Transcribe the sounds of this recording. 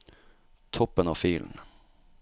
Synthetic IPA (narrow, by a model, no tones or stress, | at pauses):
t̪ʰɔpːənɑfyːln